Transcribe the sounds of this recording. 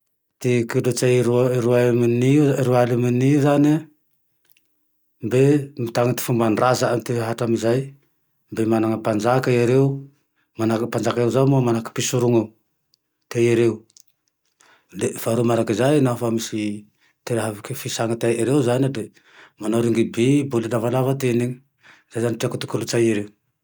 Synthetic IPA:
tikidot͡ʃajɾɾuamniɾualimanizane | mbemtaŋat̪i̥fumanrazaanteɦatamizaj | mbemanaŋapand͡ʒakajaɾew | manakpand͡ʒakaewzawmomanakpisuɾuŋa | t̪ejaɾeu | d̪efaɾumaɾakizajnafamisi | t̪eɾɦavikifisaŋat̪ajiɾewzanid̪e | manawɾiŋɡibibolilavalavat̪eniŋ | z̥ajzaniʈ͡ʂiakut̪u̥kulut͡sajaɾew

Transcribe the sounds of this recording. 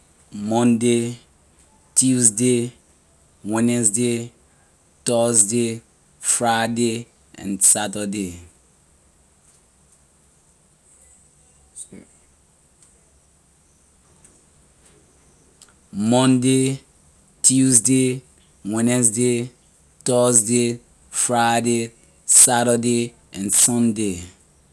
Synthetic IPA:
mɔ̃nde | tuzde | wɛnɛsde | tɔsde | fɹade | ã̰nsatade | mɔ̃nde | tuzde | wɛ̃nɛsde | tɔsde | fɹajde | saɾəde | ɛ̃nsɔ̃nde

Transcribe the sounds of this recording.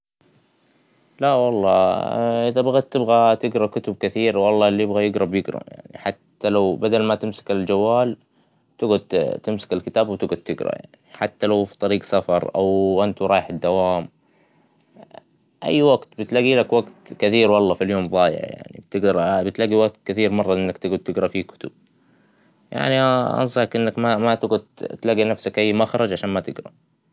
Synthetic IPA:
lawɑlˤːɑːʔɪðabaɣad̪̚t̪ːɪbɣat̪ɪɡɾˤɑkʊt̪ʊb̚kɪθiːɾwɑlˤːɑːlːijɪbɣajɪɡɾˤɑbjɪɡɾˤɑ̰ja̰ʕnḭħat̪ːalawbad̪almat̪ɪmsɪ̥kɪld͡ʒawːaːl | t̪ɪɡʊd̪t̪ɪmsḁkɪlkɪt̪aːbwt̪ɪɡad̪̚t̪ɪɡɾˤɑ̰ja̰ʕniħat̪ːalawfi̥t̪ˤɑɾiːɡsafɑɾˤʔa̰wʔɪnt̪uɾˤɑːjħɪd̪ːawaːm | ʔa̰jːwaɡt̪bɪt̪laɡiːlakwaɡt̪kɪθiːɾwɑlˤːɑfiljoːmðˤɑːjɪ̰ʕ̰ja̰ʕnḭb̚t̪ɪɡd̪ɑɾˤbɪt̪laɡiwaɡ̚t̪kɪθiːɾmɑrˤːɑʔɪnːakt̪ɪɡʊd̪̚t̪ɪɡɾˤɑfiːkʊ̥t̪ʊb̥̚ | ja̰ʕniʔɑ̰nsˤɑħkʔɪnːakmamat̪ɪɡʊd̪̚t̪laɡinafsakʔajːmaxɾˤɑd͡ʒʕaʃaːnmat̪ɪɡɾˤɑ̰

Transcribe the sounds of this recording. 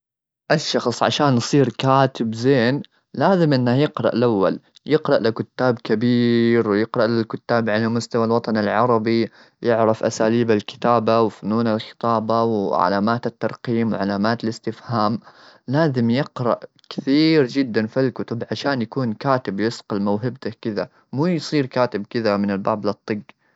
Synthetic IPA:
ʔaʃːɑxsˤʕa̰ʃaːnːsˤiːɾkaːt̪ɪbzeːn | laːzɪmʔɪnːahjɪqɾˤɑ̰ʔlʔawːa̰ljɪqɾˤɑʔlɪkʊt̪ːaːbkabiːɾwjɪqɾˤɑʔlɪlkʊt̪ːaːbʕalamʊst̪awalwɑt̪ˤɑnalʕɑɾˤɑbi | jɪʕɾɑfʔasaːliːbalkɪ̥t̪aːbawfʊnuːnalxɪ̥t̪ˤɑːbawʕa̰laːmaːt̪at̪ːɑɾˤqiːmwʕalaːmaːt̪alɪst̪ɪfhaːmlaːzɪmjɪqɾˤɑʔ | kɪ̥θiːɾd͡ʒɪd̪ːanfilkʊt̪ʊbʕaʃaːnjakuːnkaːt̪ɪbjɪsqɪlmawɦɪbt̪akɪða | muːjsˤiːɾkaːt̪ɪbkɪðamɪnɪlba̰ːblɨt̪ˤːɨɡ

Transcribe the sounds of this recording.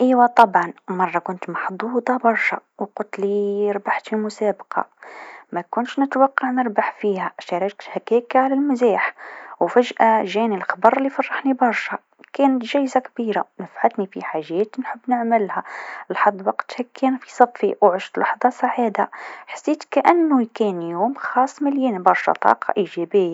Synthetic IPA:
ʔiwæt̪ˤɑbʕɑnmɑrˤːɑkʊnt̪mɑħd̪ˤuːd̪ˤɑbɑɾˤʃɑ̰wqʊlt̪liɾbaħt̪fimʊsæbqɑ̰mækʊnʃnət̪wɑqːɑʕnəɾbaħfihæʃæɾɑkt̪hækækːaʕalælmʊziħwfæʒʔaʒænilxɑbɑɾˤəlːifɑrˤːɑħnibɑɾˤʃɑ | kænət̪ʒæjzakbiɾa̰nəfʕat̪nifiħaʒæt̪nħəbːnəʕməlhælħɑd̪ˤːwɑqt̪hækʰːænfisˤɑbfiwʕʒt̪lɑħðˤɑsˤɑʕid̪aħḁsːit̪kʔənːujkunjumxɑsˤːməljinbɑɾˤʃɑ̰t̪ˤɑ̰qɑ̰ʔiʒæbəjːa

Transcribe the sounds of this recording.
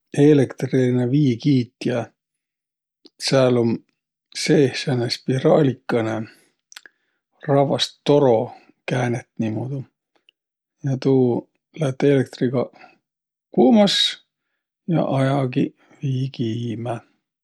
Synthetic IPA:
e̞lekt̪riinɑviːkiːt̪jɑ | sælom | seːhsɑnespiɾɑːlʲikːˑɑne | rɑvɑst̪ːo̞ɾo̞ | kæːnet̪nimud̪u | jɑt̪uː | læt̪ːelek̚t̪riɡ̥ɑ | kuːmɑs | jɑ̰ʔɑjɑɡi | viːkiːmæ

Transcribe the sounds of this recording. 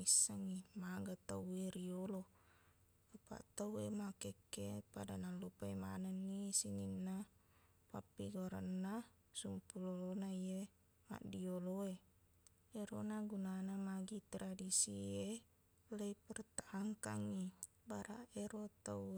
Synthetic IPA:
isːaŋimaɡat̪aueɾiolo | upa̰ʔt̪auemakekːepadanalupaima̰nanːisiŋinːa | papːiɡoɾa̰nːa | sumpulolonaie | ma̰ʔdioloe | eɾonaɡunanamaɡit̪ɾadisie | leipɛrt̪aʔːŋkaŋi | baɾaeɾot̪au

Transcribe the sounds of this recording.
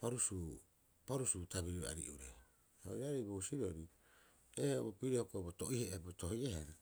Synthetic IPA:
paɾusuː | paɾusutabiɾia̰ɾḭʔuɾe | o̰iɾaɾejbousiɾoɾi | ehʔobopiɾehokobotoʔiheʔebotohiehana

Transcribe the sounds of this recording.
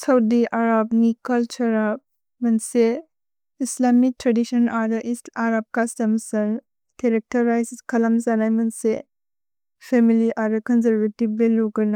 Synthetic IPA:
sawdiʔaɾabnikalt͡ʃɐɾa | mɐnse | islamik̚tɾadisɔnaɾdɐʔisaɾab̚kastɐmsɐn | keɾek̚tɐɾajskʰɐlamzanajmɐnse | pʰemiliʔaɾekɔnzɐɾvetibbeluɡɐna

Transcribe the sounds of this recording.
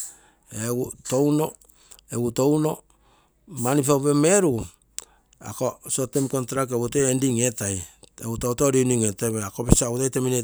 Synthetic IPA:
eɡuto̞wno | eɡuto̞wno̞ | manipawβemeɾu | a̰kosotemkontɾakeβutoendiŋetajḛutautoɾiniŋeteβeakobisautajtemine

